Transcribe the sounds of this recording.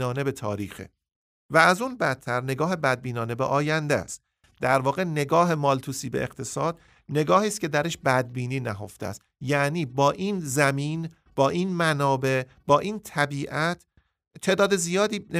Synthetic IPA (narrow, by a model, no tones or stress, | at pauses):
nɒːne̞be̞t̪ʰɒːɾiːxḛ | væːzunbæt̪ʰːæɾne̞ɡɒːɦe̞bæd̪̚biːnɒːne̞bḛʔɒːjænd̪ḛst̪ | d̪æɾvɒːɣe̞ne̞ɡɒːɦe̞mɒːlt̪ʰuːsiːbe̞̰eqt̪ʰe̞sɒːd̪ | ne̞ɡɒːhiːscʰe̞d̪æɾeʃbæd̪̚biːniːnæɦo̞̰ft̪ḛæ̰st̪jæʔniːbɒːʔinzæmiːn | b̥ɒːʔiːnmænɒːbe̞ | b̥ɒːʔiːnt̪ʰæbiːʔæt̪ʰ | t̪ʰe̞ːd̪ɒːd̪e̞zijɒːd̪iːn